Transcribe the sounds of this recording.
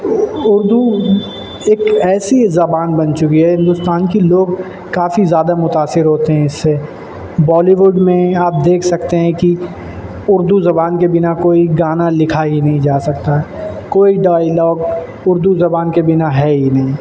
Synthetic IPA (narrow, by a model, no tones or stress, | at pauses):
ʊɾd̪u | eːkɛːsizɐbaːnbɐ̃nt͡ʃʊkiɦɛɦɪ̃nd̪ʊst̪aːnkiloːɡ | kaːfizjaːd̪amʊt̪aːsːɪɾɦoːt̪eɦɛ̃ɪsːe | bɔːliʋʊɖmẽaːp̚d̪eːkʰsɐkt̪eɦɛ̃ki | ʊɾd̪uzɐbaːnkebɪnakoːiɡaːnalɪkʰaɦinɐɦĩd͡ʒaːsɐk̚t̪aɦɛː | koːiɖaːjlɔːɡ | ʊɾd̪uzɐbaːnkebɪnaɦɛːɦinɐɦĩ